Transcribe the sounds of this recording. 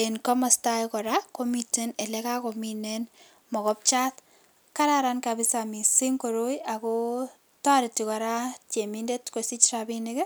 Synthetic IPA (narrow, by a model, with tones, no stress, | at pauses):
enkɔ˦mɔ˦stajkɔ˨ɾako˦mite˦ne˨le˦ka˦kɔ˨minɛn | mɔ˨kɔ˦p̚t͡ʃa˦t | ka˦ɾaɾankabɪ˦sami˨si˦ŋko˨ɾo˦ja˨ko˦ | tɔ˦ɾɪ˨ti˨kɔ˨ɾa˦t͡ʃe˨mi˦nde˦tko˨si˦t͡ʃɾabine˦ke˦